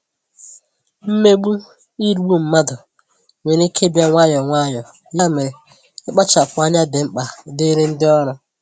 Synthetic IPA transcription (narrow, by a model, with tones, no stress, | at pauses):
m̩˦me˦ɡ͡bu˦ | i˦ɾu˦ɡ͡bu˦m̩˨ma˦dʊ˨ | ŋʷe˨ɾi˦kʰe˦bja˦ŋʷa˦ɲɔ˨ŋʷa˦˨ɲɔ˨ | ɲa˦˨me˨ɾe˨ | ɪ˦k͡pa˦t͡ʃa˨kʷa˦ɲa˦dɪ˨ŋ͡m̩˦k͡pa˨dɪ˦ɾe˦n̩˦dɪ˦ɔ˦ɾʊ˦